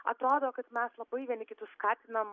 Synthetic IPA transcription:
ɐt̪ɾoːd̪oːkɐt̪mʲɛslˠɐbɐɪʋʲiɛnʲɪkʲɪt̪ʊskɑːt̪ʲɪnɐm

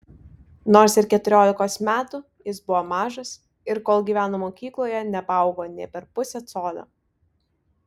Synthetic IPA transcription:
noːɾsɪɾkʲɛt̪ʊɾʲoːlʲɪkoːsmʲæːt̪u | jɪsbʊʋoːmɑːʒɐs | ɪɾkoːlˠɡʲiːʋʲæːnoːmoːkʲiːklˠoːjɛnʲɛpɑˑʊɡoːnʲɛ̰ɪpʲɛɾpʊsʲɛt̪soːlʲo̰ː

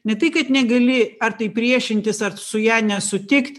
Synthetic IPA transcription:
nʲɛtt̪ɐɪkɐt̪nʲɛɡɐlʲɪɐrt̪ɐɪpʲɾʲiɛʃʲɪnʲt̪ʲɪsɐrsʊjæːnʲɛsʊt̪ʲɪkt̪ʲ

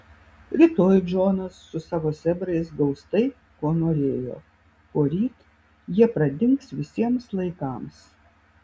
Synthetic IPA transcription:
ɾʲɪt̪oːjd͡ʒoːnɐsːʊsɑːʋoːsʲɛbɾɐɪs̬ɡɐʊst̪ɐɪ | koːnoːɾʲeːjo̰ː | koːɾʲiːt̪ | jiɛpɾɐd̪ʲɪŋksʋʲɪsʲiɛmslˠɐɪkɑːˑms

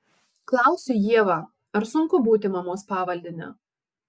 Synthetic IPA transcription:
klˠɑˑʊsʲʊjiɛʋɑ | ɐɾsʊŋkʊbuːt̪ʲɪmɐmoːspɑːʋɐlʲd̪ʲɪnʲɛ̰

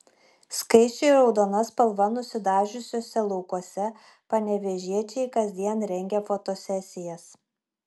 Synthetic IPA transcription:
skɐɪt͡ʃʲɛɾɒʊd̪oːnɐspɐlˠʋɐnʊsʲɪd̪ɑːʒʲʊsʲoːsʲɛlˠɒʊkuɔsʲɛ | pɐnʲɛʋʲɛʒʲiɛt͡ʃʲɛɪkɐzʲd̪ʲiɛnɾʲɛŋʲɡʲɛfot̪oːsʲɛsʲɪjɛs

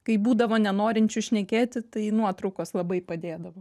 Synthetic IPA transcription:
kɐɪbuːd̪ɐʋoːnʲɛnoːɾʲɪnʲt͡ʃʲʊʃʲnʲɛkʲeːt̪ʲɪt̪ɐɪnuɔt̪ɾʊkoːslˠɐbɐɪpɐd̪ʲeːd̪ɐʋoː

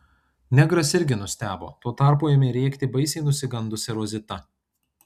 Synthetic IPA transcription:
nʲɛɡɾɐsɪɾʲɡʲɪnʊsʲt̪ʲæːbo̰ːt̪oɔt̪ɑˑɾpuːjɛmʲɛːɾʲiɛkʲt̪ʲɪbɐɪsʲɛɪnʊsʲɪɡɐnd̪ʊsʲɛɾoːzʲɪt̪ɐ

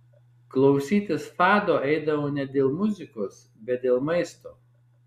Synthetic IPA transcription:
klˠɒʊsʲiːt̪ʲɪsfɑːd̪oːʔɛɪd̪ɐʋoːnʲɛd̪ʲeːlˠmʊzʲɪkoːs | bʲɛt̪̚d̪ʲeːlˠmɐɪst̪oː

